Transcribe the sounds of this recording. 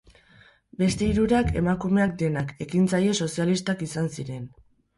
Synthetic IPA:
be̞st̪e̞iɾuɾake̞̰makume̞ak̚d̪e̞nake̞kint͡saje̞so̞sialist̪akisansiɾe̞n

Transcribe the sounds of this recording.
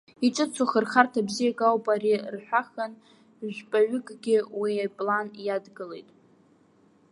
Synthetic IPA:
iʈ͡ʂʼɨt͡sʰuχərχartʰabzijakʼawpʼaɾirħʷᶣaχan | ʒʷᶣpʼaʕʷʏkʼɡʲɪwiapʼlanjadɡɨle̞̰jtʼ

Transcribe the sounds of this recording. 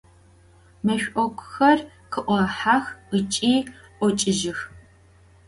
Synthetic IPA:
mɐɕʷʼʔɔkʷʰʊ̥xɐr | qʰɨʔʷɔħaxət͡ʃʼiːʔʷɔt͡ʃʼɪʒɪx

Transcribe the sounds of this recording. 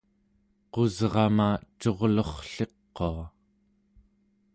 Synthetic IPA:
qo̞zʁɑmat͡ʃo̞ʁlo̞χɬe̞qːoa

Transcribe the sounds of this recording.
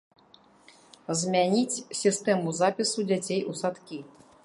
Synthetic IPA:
zmʲanʲit͡sʲsʲist̪ɛmuzapʲisud͡zʲat͡sʲejʔusat̪kʲi

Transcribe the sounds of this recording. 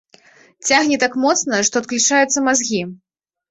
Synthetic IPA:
t͡sʲaɣnʲɛt̪akmɔt̪snɐʂt̪ɔt̪̚klʲut͡ʂajut̪sːɐmazɣʲi

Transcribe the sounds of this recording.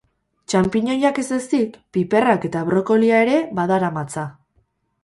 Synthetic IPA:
t͡ʃampiɲo̞jake̞ze̞st̪ikpipe̞rake̞t̪aβɾo̞ko̞liae̞ɾe̞βaðaɾamat͡sa

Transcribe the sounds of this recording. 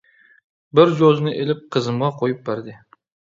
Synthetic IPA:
bɪɾd͡ʒoznɪʔelɪp̚qʰɨzɨmʁɑqʰojɪp̚baɾd̪ɪ

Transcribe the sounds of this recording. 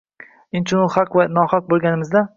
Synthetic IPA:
ɪnt͡ʃʰɪnʊχaqvanɒhaq̚bolˠɡʲanɪmɪzd̪a

